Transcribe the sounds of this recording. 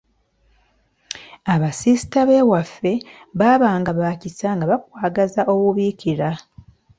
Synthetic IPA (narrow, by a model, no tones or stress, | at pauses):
aβasisi̥taβe̞ːwafːe̞βaːβaːŋɡaβaːcisaŋɡaβakwaːɡazaʔo̞wuβiciɾa